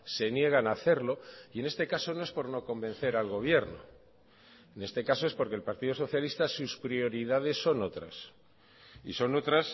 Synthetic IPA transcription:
se̞nje̞ɣ̞anaθe̞ɾlo̞ie̞ne̞st̪e̞kaso̞no̞e̞spo̞ɾno̞ko̞mbe̞n̟θe̞ɾalɣo̞β̞je̞ɾno̰ | ene̞st̪e̞kaso̞epo̞ɾkelpaɾt̪iðoso̞θjalist̪asuspɾio̞ɾiðaðe̞sːo̞no̞t̪ɾa̰s | ḭso̞no̞t̪ɾas

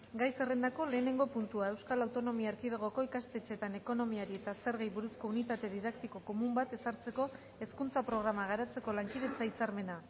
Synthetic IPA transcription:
ɡajse̞re̞nd̪ako̞le̞ːne̞ŋɡo̞punt̪uae̞wskalawt̪o̞no̞miaaɾkið̞eɣ̞o̞ko̞ikast̪e̞t͡ʃe̞t̪ane̞ko̞no̞miaɾie̞t̪ase̞ɾɣejβuɾusko̞unit̪at̪e̞ðiðakt̪iko̞ko̞mumbat̪e̞saɾt͡se̞ko̞ | e̞skunt͡sapɾo̞ɣɾamaɣ̞aɾat͡se̞ko̞laŋkið̞e̞t͡sait͡saɾme̞na

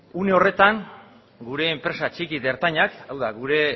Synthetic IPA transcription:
une̞o̞re̞t̪aŋ | ɡuɾe̞ːmpɾe̞sat͡ʃikiðe̞ɾt̪aɲakawðaɣuɾe̞

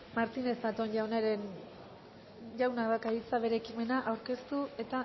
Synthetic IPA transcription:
maɾt̪ine̞sd̪at̪onjawnaɾen | ʝawnaðakaðit͡saβe̞ɾe̞ːkime̞naʔawɾke̞st̪ue̞t̪a

